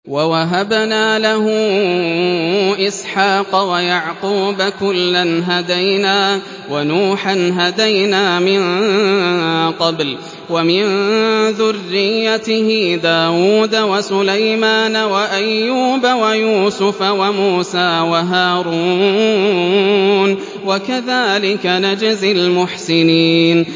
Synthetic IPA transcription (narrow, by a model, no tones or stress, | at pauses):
wawaɦabnaːlahʊ | ʔɪsħaːqɑwajaʕquːbakʊlːanɦad̪ajnaː | wanuːħanɦad̪ajnaːmɪn | qɑbl | wamɪnðʊrːɪjːat̪ɪhɪd̪aːwuːd̪awasʊlajmaːnawaʔajːuːbawajuːsʊfawamuːsaːwaɦaːɾuː | n | wakaðaːlɪkanad͡ʒazɪlmʊħsɪniːn